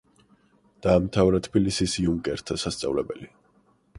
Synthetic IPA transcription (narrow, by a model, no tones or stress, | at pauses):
d̪̥aːmt̪ʰavɾat̪ʰpilisisiuŋkʼɛɾt̪ʰasast̪sʼa̰vlɛbɛli